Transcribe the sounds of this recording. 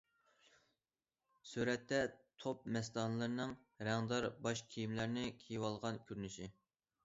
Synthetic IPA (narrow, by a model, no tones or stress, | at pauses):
syɾɛt̪ʰːɛt̪ʰop̚mɛst̪ɑnlˠɨɾɨnɨŋ | ɾæŋd̪ɑɾbɑʃkʲʰijimlæɾnɪkʲʰejiwɑlˠʁɑnkʲʰyɾnɪʃi